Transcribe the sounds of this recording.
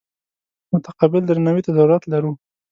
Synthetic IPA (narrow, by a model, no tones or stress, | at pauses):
mʊt̪aqabɪld̪əɾnawit̪azawɾat̪laɾu